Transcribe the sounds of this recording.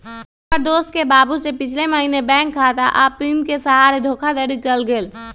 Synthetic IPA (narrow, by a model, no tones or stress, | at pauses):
ɔɾd̪oːst̪̚kebaːbusepɪt͡ʃʰleməɦiːnebɛ̃ːŋkʰːaːt̪aʔapːiːnkesɐɦaːɾed̪ʱoːkʰad̪əɾikəlɡeːl